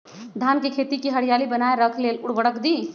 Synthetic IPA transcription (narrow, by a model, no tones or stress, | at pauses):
d̪ʱankekʰet̪ikiɦəɽ̤ijalibənaeɾəkʰlelʊɽbəɽəkd̪i